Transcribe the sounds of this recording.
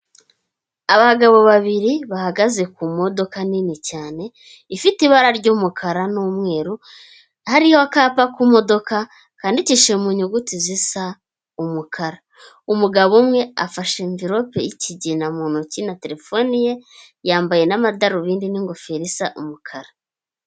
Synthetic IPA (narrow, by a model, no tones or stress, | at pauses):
aβaɡaβo̞βaβiɾiβahaɡaze̞kumo̞do̞kaninicaːne̞ | ifitiβaɾaɾɟuːmukʰaɾanuːmŋe̞ːɾu | haɾihoakaːpakumo̞do̞ka | kaːndiciʃe̞muɲuɡutizisa | umukʰaɾa | umuɡaβomŋe̞a̰faʃeɱviɾo̞pḛjiciɟinamuːnocinate̞ɾe̞fonije | jaːmbaje̞namadaɾuβiːndiniŋɡofeɾisaʔumukʰaɾa